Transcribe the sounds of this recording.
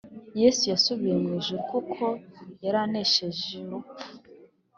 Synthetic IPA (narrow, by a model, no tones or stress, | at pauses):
jesujasuβiɾemwiʒikukʰojeɾaneʃeʒiɾup